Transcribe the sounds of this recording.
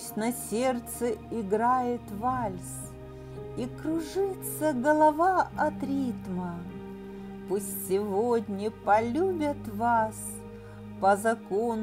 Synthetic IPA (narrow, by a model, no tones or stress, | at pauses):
sʲtʲnɐsʲert̪sɨɪɡɾajɪt̪valʲs | ikɾʊʐɨt̪səɡəlˠɐvaɐt̪ɾʲit̪mə | pusʲtʲsʲɪvodʲnʲɪpɐlʲubʲət̪vas | pəzɐkon